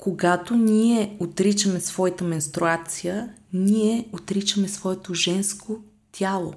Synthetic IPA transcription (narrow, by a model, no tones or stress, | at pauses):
koɡat̪oniɛot̪ɾit͡ʃəmɛsvɔjit̪əmɛnst̪ɾuat̪sijəniɛot̪ɾit͡ʃəmɛsvɔɛt̪oʒɛnsko | t̪ʲʰalˠo̰